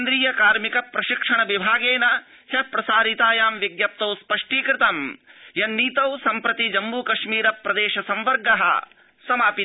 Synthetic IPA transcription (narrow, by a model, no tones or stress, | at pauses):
nd̪ɾiːjɐkaːɾmikɐpɾɐʃikʂɐɳɐʋibʱaːɡeːnɐ | hɐpɾɐsaːɾit̪aːjaːmʋiɡjɐp̚t̪ɐwspɐʂʈiːkɾɪt̪ɐmjɐnːiːt̪ɐwsɐmpɾɐt̪id͡ʒɐmbuːkɐʂmiːɾɐpɾɐd̪eːʃɐsɐmʋɐɾɡɐɦɐ̰ | sɐmaːpi